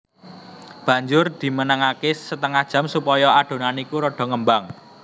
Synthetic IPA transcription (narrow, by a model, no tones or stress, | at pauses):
b̥ä̤ɲd͡ʒʊrd̪̥i̤mənəŋakesət̪əŋad̥ʒ̥ä̤msupɔjɔad̥o̤nanikuɾɔɖ̥ɔ̤ŋəmbaŋ